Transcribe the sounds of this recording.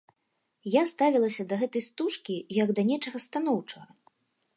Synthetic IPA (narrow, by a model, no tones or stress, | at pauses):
jast̪avʲilˠɐsʲɐd̪ɐɣɛt̪ɐjst̪uʂkʲijɐɡd̪ɐnʲɛt͡ʂɐɣɐst̪an̪ɔwt͡ʂɐɣɐ